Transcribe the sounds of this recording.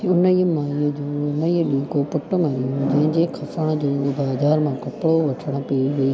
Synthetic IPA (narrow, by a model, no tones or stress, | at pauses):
ʊnəiːmãːid͡ʑuːʊnəiɗĩːkopʊʈəmãɾijũd͡ʑɐ̃ɦɪ̃ɲd͡ʑekʰɐfəɽ̃d͡ʑoːbaːzaːɾmãkɐpɽoʋɐʈʰəɽ̃ə̆piiʋɐiː